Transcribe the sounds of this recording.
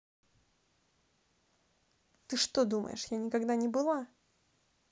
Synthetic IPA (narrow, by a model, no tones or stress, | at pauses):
t̪ɨʂt̪od̪umə̰jɪ̰ʂjanʲɪkaɡd̪anʲɪbɨlˠa